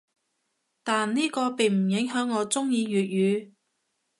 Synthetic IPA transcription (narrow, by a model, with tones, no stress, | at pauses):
t̪aː˨nniː˥kɔː˧pe˨˩jm̩˨˩jɪ˨˥ŋɦœː˨˥ŋːɔː˨˧t͡sʊ˥ŋjiː˧ɥyː˨t̚jyː˨˧